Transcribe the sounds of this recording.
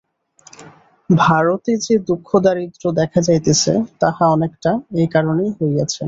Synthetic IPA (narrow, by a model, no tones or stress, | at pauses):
bʱaɾot̪ed͡ʑed̪ukʰːod̪aɾid̪ɾod̪ɛkʰad͡ʑajt̪et͡ɕʰḛt̪ahaɔnekʈaejkaɾonejɦoeɡat͡ɕʰe